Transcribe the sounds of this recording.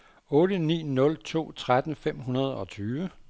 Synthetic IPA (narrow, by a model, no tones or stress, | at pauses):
ɔ̽ːɾ̥ənḭːnɔ̽lt͡sʰo̝̰ːt͡sʰʁad̥n̩fem̰ɦunɐð̞ˠɒ̽t͡sʰyːʋə